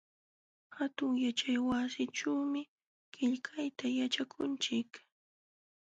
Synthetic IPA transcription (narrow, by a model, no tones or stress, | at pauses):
hat̪ʊŋjat͡ʃajwasɪʈ͡ʂawmɪ | kɪʎkʰajt̪ajat͡ʃakʰʊnt͡ʃɪk